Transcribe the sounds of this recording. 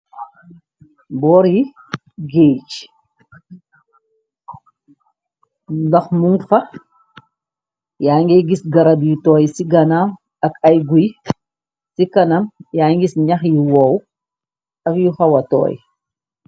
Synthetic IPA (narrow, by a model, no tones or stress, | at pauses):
bɔːɾji | ɡeːt͡ʃ | lɐxmuŋfɐ | jaːŋɡɛjɡisɡɐɾɐdjitɔːjsiɡɐnam | ɐkɐjɡuj | sikɐnamjaːŋɡisɲɐxjiwow | ɐkjuxɐwɐtɔ̰ːj